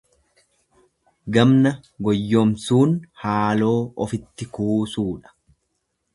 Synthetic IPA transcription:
ɡɐmnɐɡɔjːomsuːnhaːlo̞ːɔfɪt̪ːɪkuːsuːᶑɐ̥

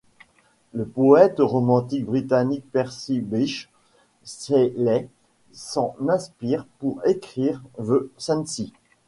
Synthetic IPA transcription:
ləpɔɛt̪ʁɔmɑ̃t̪ik̚bʁit̪anik̚pɛʁsibiʃ | sɛlɛ | sɑ̃nɛ̃spiːʁpuʁekχiʁvøsɛ̃nsi

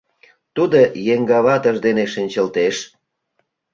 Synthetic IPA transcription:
t̪ud̪ojeŋɡɑβɑt̪ə̆ʒd̪eneʃənʲt͡ɕəlt̪eʃ

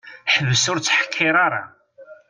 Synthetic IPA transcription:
ħəvːəsʊɾt͡sːħə̥kʰːɪɾˤaɾˤɑ̰

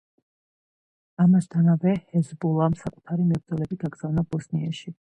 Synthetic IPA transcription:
amast̪ʰanavɛhɛzbulˠamsakʼu̥t̪ʰaɾimɛbɾd̪zɔlɛbiɡaɡz̥avnabɔsniaʃi

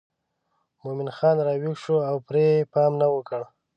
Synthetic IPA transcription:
momɪnxɑnɾɑwiɡʃoawpɾepɑmnawəkəɽ

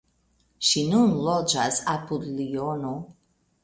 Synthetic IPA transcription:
ʃinunlod͡ʒasapud̪liono

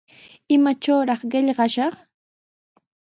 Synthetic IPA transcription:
ɪmat͡ʃawɾɑχɢɪʎɢɑʃɑχ

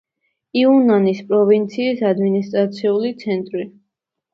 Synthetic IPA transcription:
iunanispʼɾɔvint̪sʰiːsad̪minist̪ʼɾat̪sʰiulit̪sʰɛnt̪ʼɾi

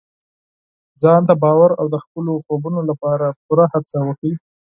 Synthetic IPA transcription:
d͡zɑnd̪əbɑwaɾawd̪əxpəloxobunolapɑɾap̚uɾahat͡sawəkɽi

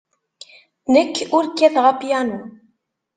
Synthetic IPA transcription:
nəkːʊɾkːæθʁapjænu

